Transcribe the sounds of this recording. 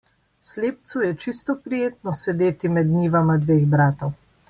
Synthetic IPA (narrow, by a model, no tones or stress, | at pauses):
sleːp̚t̪sujɛt͡ʃist̪ɔpɾijeːt̪nɔsɛd̪eːt̪imɛd̪niːʋamad̪ʋeːɣbɾaːt̪ɔw